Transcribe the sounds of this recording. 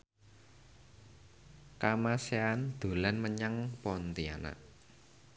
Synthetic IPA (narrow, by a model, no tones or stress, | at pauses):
kamaseand̪̥o̤lanməɲaŋpɔnt̪ia̰na̰ʔ